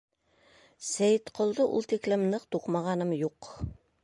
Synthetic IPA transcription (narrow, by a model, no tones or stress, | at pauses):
sæjt̪qŏlˠd̪ɤʔṵlˠt̪iklɘmnɤqt̪uqmɑʁɑnɤmjuq